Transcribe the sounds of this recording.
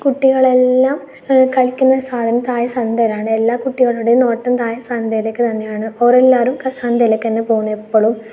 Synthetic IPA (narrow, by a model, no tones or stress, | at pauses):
kuʈːiɣɐɭe̞lːaːm | kɐɭkʲːunːɐsaːd̪ʱɐnɐt̪aːjɐsɐnd̪ɐɾaːɳɨe̞lːaːkuʈːiɣɐɭuɽeno̞ːʈːɐmt̪aːjɐsand̪ɐjlekːɨt̪ɐnːe̞jaːɳɨoɾelːaːɾumkɐsaːnd̪ɐlekʲːenːepoːɣunːɐepːoɭum